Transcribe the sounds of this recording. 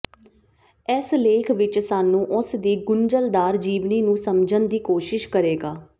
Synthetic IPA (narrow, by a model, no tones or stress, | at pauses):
ɛsleːkʰʋɪt͡ʃsaːnːũːʔɔ̃sd̪iːɡʊnd͡ʒəld̪aːɾd͡ʒiːʋniːnũːsəmd͡ʒənd̪iːkoːʃɪʃkəɾeːɡaː